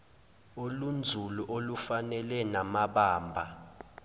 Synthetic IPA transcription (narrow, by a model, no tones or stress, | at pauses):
olund͡zʱuluʔolufanɛlɛnamaɓaːmbʱa